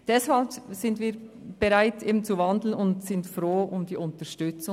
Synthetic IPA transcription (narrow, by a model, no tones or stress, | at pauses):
d̥ɛshalbz̥ɪndv̥iːɾb̥eʁaɪtʔeːbn̩t͡suvɑndl̩nʊntsɪntfʁoːʔʊmd̥iːʔʊntəʃtʏt͡sʊ